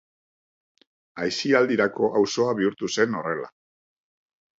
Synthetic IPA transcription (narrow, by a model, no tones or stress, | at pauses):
ajsiald̪iɾako̞ʔawso̞aβiuɾt̪use̞no̞re̞la̰